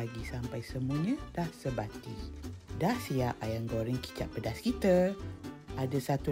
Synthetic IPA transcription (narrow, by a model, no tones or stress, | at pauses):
aɡisampajsəmuəɲãdahsəbat̪idahsiaʔajaŋɡoɾiŋki̥t͡ʃa̰ʔ̚pədaskit̪ə | adasat̪u